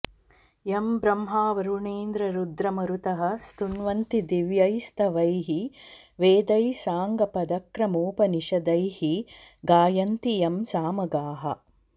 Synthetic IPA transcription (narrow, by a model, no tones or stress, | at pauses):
jɐmbɾɐmɦaːʋɐɾuɳeːnd̪ɾɐɾud̪ɾɐmɐɾut̪ɐɦɐ̆st̪unʋɐnt̪id̪iʋjɐjst̪ʰɐʋɐjɦi | ʋeːd̪ɐjsaːŋɡɐpɐd̪ɐkɾɐmoːpɐniʃɐd̪ɐjhiɡaːjɐnt̪ijɐmsaːmɐɡaːɦɐ̰